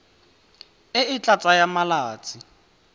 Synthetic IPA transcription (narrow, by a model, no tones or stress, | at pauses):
ɪɪt͡ɬʼat͡sʼajamalaːt͡sʼi